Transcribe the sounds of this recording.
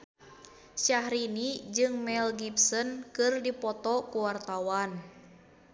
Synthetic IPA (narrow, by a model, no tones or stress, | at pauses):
ʃahɾinid͡ʒɨŋmɛlɡipsɔnkɨrdipɔt̪ɔkuwart̪awan